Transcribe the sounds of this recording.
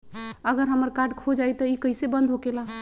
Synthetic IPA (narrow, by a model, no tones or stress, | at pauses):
əɡəɾɦəməɾkaɾɖkʰod͡ʒajt̪əikəɪsebə̃nd̪ʱɦokela